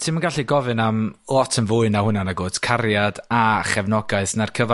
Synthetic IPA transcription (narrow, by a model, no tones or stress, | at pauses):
tʰimaɡaɬiɡɔvɨnamlˠɔtʰənvʊːɨnahʊnanaɡoːdkʰarjadaχɛvnɔɡaɨθnarkʰəva